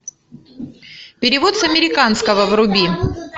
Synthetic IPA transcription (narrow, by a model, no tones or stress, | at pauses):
pʲɪɾʲɪvo̞t̪sɐmʲɪɾʲɪkanskəvəvrʊbʲi